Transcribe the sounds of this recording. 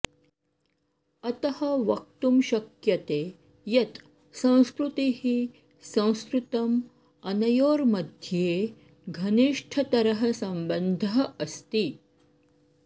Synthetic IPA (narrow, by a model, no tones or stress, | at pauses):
ɐt̪ɐhɐʋɐk̚t̪umʃɐkjɐt̪eː | jɐt̪ | sɐ̃w̃skɾut̪ihi | sɐ̃w̃skɾut̪ɐm | ɐnɐjoːɾmɐd̪ʱjeː | ɡʱɐniʂʈʰɐt̪ɐɾɐɦɐsɐmbənd̪ʱɐɦɐst̪i